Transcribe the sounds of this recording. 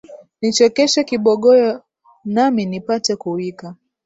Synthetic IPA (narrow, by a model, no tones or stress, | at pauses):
nit͡ʃɔkɛʃɛkiɓɔɠɔjɔ | naminipatɛkuwika